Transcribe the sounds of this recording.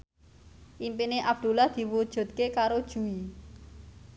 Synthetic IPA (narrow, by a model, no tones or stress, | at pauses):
ʔimpineʔab̥̚d̪̥ṳlahd̪̥i̤wud̥ʒ̥ṳt̪̚kekaɾod̥ʒ̥ṳi